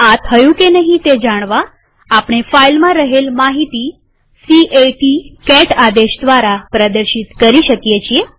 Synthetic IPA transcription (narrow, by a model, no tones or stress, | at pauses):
at̪ʰəjũkenəɦĩt̪ed͡ʒaɽ̃ʋaː | pɽ̃efailmãɾəɦelmaɦit̪i | siʔeʈikɛʈad̪eʃd̪ʋaɾapɾəd̪əɾʃit̪kəɾiʃəkjet͡ʃʰie